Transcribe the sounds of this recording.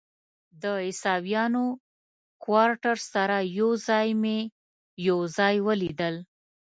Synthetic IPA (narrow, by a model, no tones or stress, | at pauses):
d̪əɪsɑbjɑno | kwɑɾʈaɾsaɾajozɑjme | jawzɑjwəlid̪əl